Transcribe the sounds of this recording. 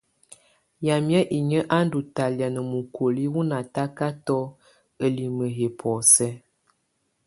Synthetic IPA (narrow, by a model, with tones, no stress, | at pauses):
ja˨mjɛ˦ʔi˨ɲə˦ʔa˦n˦du˨ta˨lja˨nə˨mu˨kʰo˨li˦wu˦na˨ta˦ka˦tɔ˦ | ə˨li˨mə˨ɦe˨pʰɔ˨sɛ˦